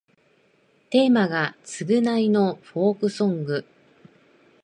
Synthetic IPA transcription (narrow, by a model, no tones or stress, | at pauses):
t̪e̞ːmaɡat͡sɨɡɯ̟naino̞ɸo̞ːkɯ̟sõ̞ŋɡɯ̟